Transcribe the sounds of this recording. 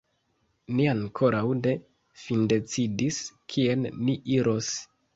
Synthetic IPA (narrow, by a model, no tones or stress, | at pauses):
niaŋkʰo̞ɾawde̞ | finde̞t͡sidiskʰie̞nːiʔiɾʔo̞s